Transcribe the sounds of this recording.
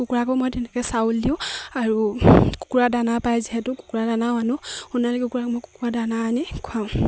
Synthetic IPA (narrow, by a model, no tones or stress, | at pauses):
kukuɹakɔmojtɛnɛkɛsauldiʊ̃aɹuku̥kuɹadanapajziɦɛtʊku̥kuɹadanaanʊhunalɛkukuɹakmojku̥kuɹadananikʰʊaʊ̃